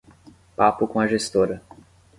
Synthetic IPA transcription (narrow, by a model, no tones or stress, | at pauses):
papʊkõɐʒest̪oɾɐ